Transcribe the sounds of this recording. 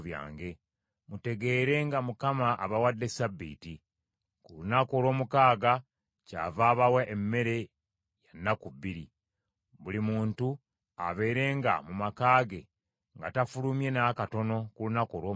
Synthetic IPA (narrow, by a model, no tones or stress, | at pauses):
βja̰ːŋɡe̞ | mute̞ɡe̞ːɾe̞ŋɡamukamaʔːβawadːe̞sabːḭːti | kulunako̞lwo̞ːmukaːɡa | ca̰vaːβawaʔemːe̞ɾe̞ | janːakuβːiɾi | βulimuːntu | a̰βe̞ːɾe̞ːŋɡa̰mumakaːɡe̞ | ŋɡa̰tafulumje̞nakato̞no̞kulunakoɾoː